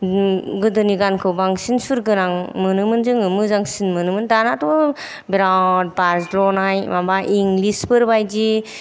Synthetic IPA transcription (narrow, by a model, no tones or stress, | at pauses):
ɡɯdɯniɡankʰɯwbaŋsinsuɾɡɯnaŋmɯnɯmɯnzɯŋɯmɯzaŋsinmɯnɯmɯndanatɔ | biɾawd̚paɾsdɾɔnajmambaʔiŋlispɯɾbajd͡ʒi